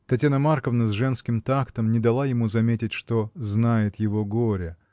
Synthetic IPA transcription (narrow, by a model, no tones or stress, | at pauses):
t̪ɐtʲjanəmarkəvnəzʐɛnskʲɪmt̪akt̪əmnʲɪd̪ɐlˠajɪmuzɐmʲetʲɪtʲʂt̪oznajɪt̪jɪvoɡoɾʲə